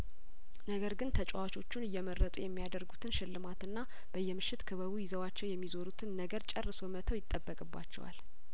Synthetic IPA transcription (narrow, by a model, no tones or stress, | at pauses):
nəɡəɾɡɨnt̪ʰət͡ʃʼwat͡ʃʰo̞t͡ʃːunɨjːɛmərːət̪ʼujɛmːijad̪əɾɡut̪ʰɨnʃɪlːɨmat̪ɨnːa | b̥əjːɛmɨʃːɪt̪kʰɨβəβujɪzəwat͡ʃːɛwjɛmːizo̞ɾut̪ʰɨnːəɡəɾt͡ʃʼɛrːɨso̞mət̪ʰəwjɪt̪ʼːəbːəkʼɨbːa̰t͡ʃːɛ̰wa̰l